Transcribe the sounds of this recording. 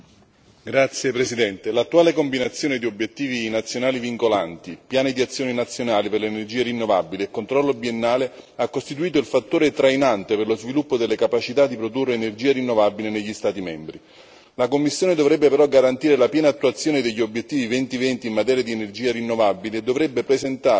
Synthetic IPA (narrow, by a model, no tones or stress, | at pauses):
ɡɾat̪sːjepɾesid̪ɛnt̪elat̪ːuaːlekombinat̪sːjoːned̪iobːjet̪ːiːvinat̪sːjonaːliviŋkolant̪ipjaːnid̪iat̪sːjoːninat̪sːjonaːliperlenerd͡ʒiːeɾinːovabiliekːont̪ɾɔlːobienːaːle | akːost̪it̪̬uiːt̪oilfat̪ːoːɾet̪ɾajnant̪eperlozvilupːod̪elːekapat͡ʃit̪ad̪ipɾod̪urːeːnerd͡ʒiːaɾinːovabileneʎːist̪aːt̪imɛmbɾi | lakomːisːjoːned̪ovɾɛbːepeɾɔɡaɾant̪iːɾelapjɛːnaːt̪ːuat̪sːjoːned̪eʎːiobjet̪ːiːvivɛnt̪ivɛnt̪iːmːat̪ɛːɾjad̪ienerd͡ʒiːaɾinːovabiliːd̪ːovɾɛbːepɾezent̪a